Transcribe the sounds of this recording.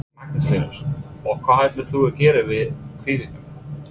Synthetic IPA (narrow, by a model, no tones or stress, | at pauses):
mak̚nɪsfiːnʏ̰ɾ̥ɔkʰv̥aːðhaːjt̪lɪθuɛɾcɛːɾɪvɪðkʰviːviŋk̪ʏm